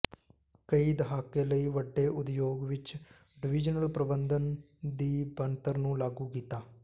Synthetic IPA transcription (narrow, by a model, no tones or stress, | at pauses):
kəiːd̪əɦaːkeːləiːʋəɖːeːʔʊd̪joːɡʋɪt͡ʃ | ɖɪʋɪd͡ʒnəlpɾəbənd̪ən | d̪iːbənt̪əɾnũːlaːɡuːkiːt̪aː